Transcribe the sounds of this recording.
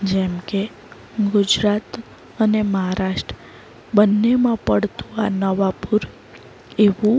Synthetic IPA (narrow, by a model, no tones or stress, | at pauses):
d͡ʒɛmke | ɡʊd͡ʒɾat̪ | əneməɦaɾaʃʈɾə | bənːemãpəɽt̪ũa̰nəʋapuɾ | eʋũ